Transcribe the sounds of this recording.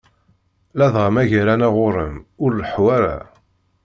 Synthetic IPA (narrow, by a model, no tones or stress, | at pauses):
læðʁamæʝaɾænaʁʊɾəmʊɾləħwæɾa̰